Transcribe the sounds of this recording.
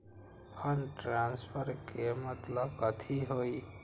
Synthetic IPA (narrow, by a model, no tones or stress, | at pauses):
pʰənʈɾãnspʰəɾkemət̪ləbkət̪ʰiɦoi